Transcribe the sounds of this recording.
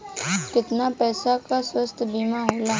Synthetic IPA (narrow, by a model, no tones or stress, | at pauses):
kɪt̪napɛːsakaswəst̪ʰbiːmaɦɛːla